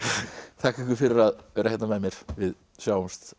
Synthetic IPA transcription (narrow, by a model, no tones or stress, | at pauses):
θʰahkɛhkʏɾfɪɾɪɾaðœːɾahjɛt̪namɛðmjɛɾ̥vɪð | sjaːwʏmst̪